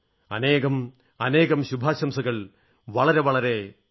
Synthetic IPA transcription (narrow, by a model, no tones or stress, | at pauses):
ɐneːɣɐm | ɐne̞ːɣɐmɕubʱaːɕɐmsɐɣɐɭ | ʋɐɭɐɾe̞ʋɐɭɐɾe̞